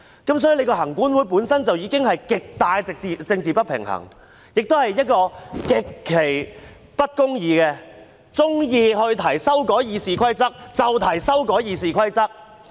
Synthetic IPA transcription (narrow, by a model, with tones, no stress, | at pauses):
kɐ˨˥ms̬ɔː˨˥ji˧˨le˨˧jkɔː˧hɐ˨˩ŋkuː˨˥nwuː˨˧jp̬uː˨˥nsɐ˥nt͡sɐ˨wjiː˨˧kɪ˥ŋhɐ˨jkɪ˨k̚t̪aː˨˧jt͡sɪ˨k̚t͡si˨t͡sɪ˧ŋt͡siː˨pɐ˥t̚pʰɪ̰˨˩ŋhɐ̰˨˩ŋ | jɪ˨k̚t̪o˥whɐ˨jːɐ˥t̚kɔː˧kɪ˨kʰːe˨˩j | pɐ˥t̚kʊ˥ŋjiː˨˧kɛ˧ | t͡sʊ˥ŋjiː˧ɦɵ˧ɥt̪ʰɐ˨˩jsɐ˥wkɔː˨˥jiː˨˧siː˨˩kʰɐ˥jt͡sɐ˥k̚t͡sɐ˨wt̪ʰɐ˨˩jsɐ˥wkɔː˨˥jiː˨˧siː˨kʰɐ˥jt͡sɐ˥k̚